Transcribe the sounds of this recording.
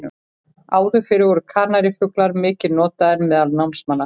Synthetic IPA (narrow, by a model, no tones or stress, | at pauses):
ʏ | aːwðʏfɪɾɪvɔɾʏkʰaːnaɾɪfʏklaɾmɪːcɪnɔːt̪aðɛnmɛðalnawmnsmanːa